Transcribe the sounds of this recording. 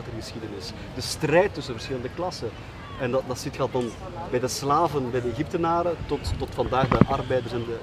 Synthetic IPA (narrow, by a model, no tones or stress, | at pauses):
tərɣəsxidənɪs | d̥əstrɛjtːʏsəvərsxɪləndəklɑsə | ɛndɑdɑtsitxɛlˠtdɑn | bɛjdəslaːvənbɛjdəeɣip̚tənaːɾətɔtːɔtfɑndaːɣdəʔɑrbɛjdərsɛndə